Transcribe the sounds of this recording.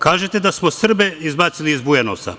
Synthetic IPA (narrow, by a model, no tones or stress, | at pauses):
kaːʒet̪e̞d̪asmosr̩beizbaːt̪siliizbujanosa̰